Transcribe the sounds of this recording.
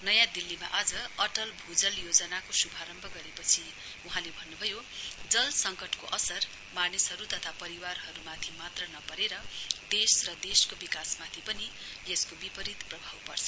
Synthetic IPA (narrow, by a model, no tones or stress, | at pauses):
nʌjãd̪ilːima̰ʔad͡zʌʌʈʌlbʱud͡zʌljod͡zʌnakosubʱaɾʌmbʱʌɡʌɾepʌt͡sʰi | uɦãlebʱʌnːubʱʌjod͡zʌlsʌŋkʌʈkoʔʌsʌr | manisɦʌɾut̪ʌt̪ʰapʌɾiwarɦʌɾumat̪ʰimat̪rʌnʌpʌɾeɾʌd̪esrʌd̪eskobikasmat̪ʰipʌni | eskobipʌɾit̪prʌbʱawpʌrt͡sʰʌ